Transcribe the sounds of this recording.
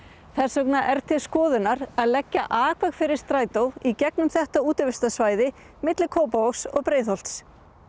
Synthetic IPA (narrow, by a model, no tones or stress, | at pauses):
θɛr̥sɔknaʔɛɾ̥t̪ʰɪlskɔːðʏnaɾaðlɛcːaʔaːkʰvaɣfɪɾɪɾ̥st̪ɾaːjt̪owicɛknʏmθɛht̪auːt̪ʏvɪst̪asvaːjðɪ | mɪt̪lɪkʰoːwpaoksɔɣpɾeːjθɔl̥t̪s